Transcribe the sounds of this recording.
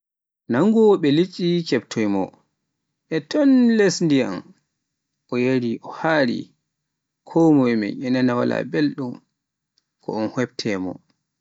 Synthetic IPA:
naŋɡɔɓɛlit͡ʃʼːit͡ʃɛptʰojmɔ̰ | ʔɛtɔnlesndija̰m | ʔɔjeɾiʔɔhaːɾḭ | kʰɔmɔjmɛ̰ʔɛnanawa̰la̰belɗum | kʰɔ̰ɔnhwɛb̚tʰɛːmɔ̰

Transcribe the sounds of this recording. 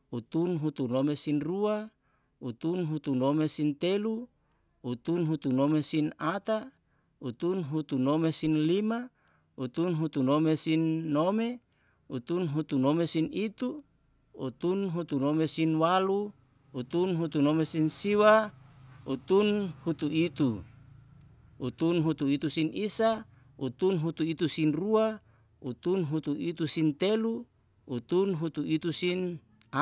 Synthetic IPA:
ut̪unɦut̪unomesinrua | ut̪unɦut̪unomesint̪elu | ut̪unɦut̪unomesinat̪a | ut̪unɦut̪unomesinlima | ut̪unɦut̪unomesinːome | ut̪unɦut̪unomesinit̪u | ṵt̪unɦut̪unomesinwalu | ut̪unɦut̪unomesinsiwa | ut̪unhut̪uit̪u | ut̪unɦut̪uit̪usinisa | ut̪unɦut̪uit̪usinrua | ut̪unɦut̪uʔit̪usint̪elu | ut̪unɦut̪uit̪usin

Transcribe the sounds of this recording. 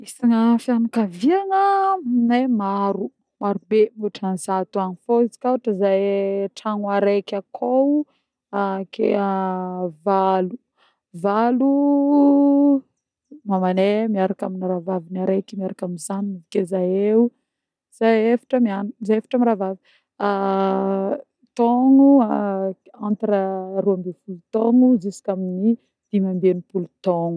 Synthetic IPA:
isaŋəfianukaviaŋənemaɾu | maɾubemiuʈ͡ʂanzat̪uanifoizi̥kaoʈ͡ʂəzajʈ͡ʂaŋwaɾekʲakʰow | akʰḛavalu | valu | mamanemiaɾakaminiɾavavinaɾekimiaɾakaminzaninivikezajeu | z̥aefḁʈ͡ʂəmianuzajefḁʈ͡ʂamiɾavavi | a | t̪ɔŋu | ant̪aɾəruambefulut̪ɔŋuzisi̥kʲamini | d̪̥imambenipulut̪ɔŋu

